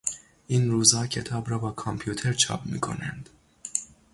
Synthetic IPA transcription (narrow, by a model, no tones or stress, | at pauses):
ʔiːnɾuːzhɒːcʰe̞t̪ʰɒːbɾɒːbɒːkʰompʰjuːt̪ʰeɾt͡ʃʰɒ̰ːpʰmḭːkʰo̞̰nænd̪̥